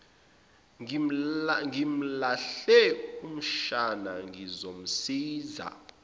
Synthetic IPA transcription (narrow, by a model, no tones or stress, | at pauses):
ŋim̩laɬɛum̩ʃanaŋizom̩siːza̰